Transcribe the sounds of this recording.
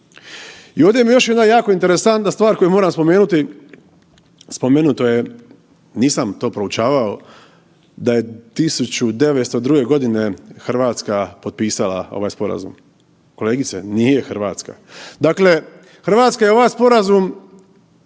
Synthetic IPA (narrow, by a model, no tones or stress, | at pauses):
io̞ʋd̪jemijo̞ʃjed̪najaːko̞int̪e̞ɾesant̪nast̪ʋaːɾko̞jumoɾamspo̞meːnut̪i | spo̞meːnut̪oje | niːsamt̪o̞ːpɾout͡ʃaːʋao | d̪aje̞t̪isut͡ɕud̪e̞ʋet̪st̪o̞d̪ɾuːɡe̞ɡo̞d̪ine̞xrʋaːt̪skapo̞t̪̚piːsala̰o̞̰ʋaːjspo̞ɾa̰zṵm | ko̞leːɡit̪senijexrɾʋaːt̪ska̰d̪aːkle̞ | xr̩ʋaːt̪skajeo̞ʋajspo̞ɾazum